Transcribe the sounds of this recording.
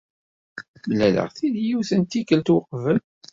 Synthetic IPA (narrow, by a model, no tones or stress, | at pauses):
mlːælə̰ʁθiðjiwθənt̪ikəlt̪wəqːvəm